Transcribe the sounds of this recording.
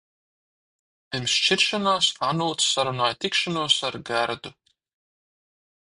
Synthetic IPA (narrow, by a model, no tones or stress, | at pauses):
pʲimst͡ʃiɾʃanaːsanuːt̪sːaɾunaːjt̪ʲikʃanuɔsaɾɡæɾd̪u